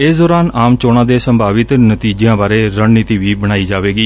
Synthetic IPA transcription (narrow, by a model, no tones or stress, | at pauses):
ɪsd̪ɔːɾaːnaːmt͡ʃoːɽ̃ãːd̪eːsəmbʱaːʋɪt̪nət̪iːd͡ʒãːbaːɾeːɾəɳniːt̪iːʋiːbəɽ̃aːiːd͡ʒaːʋeːɡiː